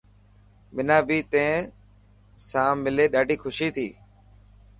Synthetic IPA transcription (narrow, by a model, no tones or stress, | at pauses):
mɪnaːbiːt̪ẽ | sãːmɪleːɗaːɖʱiːxʰʊʃiːt̪ʰḭː